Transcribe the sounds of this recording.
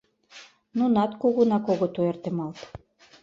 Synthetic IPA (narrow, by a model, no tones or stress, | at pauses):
nunɑt̪koɣonɑkoɣot̪oert̪emɑlt̪